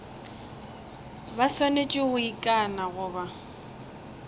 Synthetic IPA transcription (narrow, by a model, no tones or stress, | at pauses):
basɔnet͡ʃʼɪʊikʼanaɣʊːba